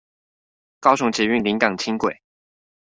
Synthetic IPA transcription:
kɑ˥ʊʂʊ˧˥ŋt͡ɕi˨˥y˥˩nli˧˥ŋkɑ˨˩ŋt͡ɕʰi˥ŋkwe˨˩ɪ

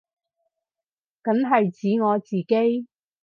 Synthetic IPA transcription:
kɐ˨˥nɦɐ˨jt͡siː˨˥ŋɔː˨˧t͡siː˨ke˥j

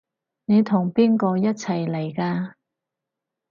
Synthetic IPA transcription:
ne˨˧jt̪ʰʊ˨˩ŋpiː˥nkɔː˧jɐ˥t̚t͡sʰɐ˨˩jle˨˩jkaː˧

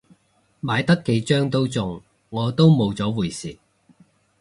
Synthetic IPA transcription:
maː˨˧jt̪ɐ˥kːe˨˧jt͡ʃœː˥ŋt̪o˥wt͡sʊ˨ŋ | ŋɔː˨˧t̪o˥wmo˨˧wt͡sɔː˨˥wuː˨˩jsiː˨˩

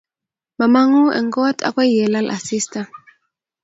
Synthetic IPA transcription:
ma˨ma˦ŋu˦ʔɛ̰˨ŋɡɔ˦tʼa̰˦kwɛ˦jɛ˨la˦lʔa̰˨si˦sta˨

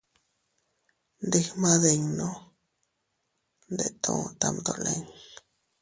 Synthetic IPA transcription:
nd̪e˦hma˦d̪e˧ɲno˦ | nd̪e˨t̪ʰũ˧t̪a˧md̪o˨le˦˨ŋ

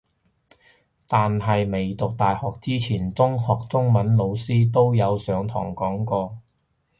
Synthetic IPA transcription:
t̪aː˨nɦɐ˨jme˨jt̪ʊ˨k̚t̪aː˨jhɔː˨k̚t͡siː˥t͡sʰiː˨˩nt͡sʊ˥ŋhɔː˨k̚t͡sʊ˥ŋmɐ˨˧˥nlo˨˧wsiː˥t̪o˥wjɐ˨˧wsœː˨˧ŋt̪ʰɔ̰ː˨˩ŋkɔː˨˥ŋkɔː˧

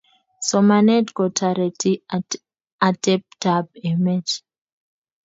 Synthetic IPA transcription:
sɔ˨ma˨nɛ˦tkɔ˨tʰa˨ɾɛ˨ti˦ | a˨tɛ˦p̚tab̚ɛ˨mɛ˦t

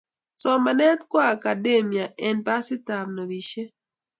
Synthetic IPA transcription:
sɔ˦ma˨nɛ˦t̪kwaː˦˨ka˨de˦mi˨a˨ʔɛ˨npa˦sɪ˦ta˨mnɔ˨ɾi˨ʃe˦

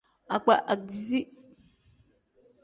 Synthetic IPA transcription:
a˨k͡pa̰˨ʔa˨ɡzi˦

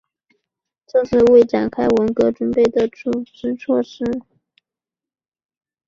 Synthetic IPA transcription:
ʈ͡ʂɤ˥˧ʂɻ̩˥˧we˥˩ɪʈ͡ʂa˨˩nkʰa˥ɪwə˧˥nkɤ˧˥ʈ͡ʂwə˧˥npe˥˩ɪd̪ə˩ʈ͡ʂu˥˩ʂɻ̩˥t͡sʰwɔ˥˧ʂɻ̩˥˩

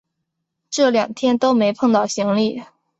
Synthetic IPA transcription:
ʈ͡ʂɤ˥˩ljɑ˨˩ŋt̪ʰjɛ˥nt̪o˥ʊme˧˥ɪpʰɤ˥˧ŋt̪ɑ˥˩ʊɕi˧˥ŋli˥˩

